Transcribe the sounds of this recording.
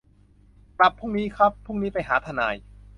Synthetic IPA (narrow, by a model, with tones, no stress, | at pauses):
pɾa˨˩pʰːu˥˩ŋniː˦˥kʰɾa˦˥pʰːu˥˩ŋniː˦˥pa˧jɦaː˩˦t̪ʰa˧naː˧j